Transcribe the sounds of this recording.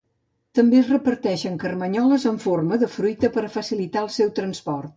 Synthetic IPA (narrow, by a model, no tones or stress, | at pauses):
t̪əmbezrəpəɾt̪ɛʃəŋkərməɲɔləzəɱforməðəfɾujt̪əpəɾəfəsilit̪aəlˠsɛwt̪ɾənspɔrt̪